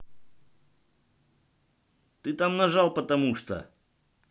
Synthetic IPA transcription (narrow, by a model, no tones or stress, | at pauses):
t̪ɨt̪amnɐʐalˠpət̪ɐmuʂt̪ə̰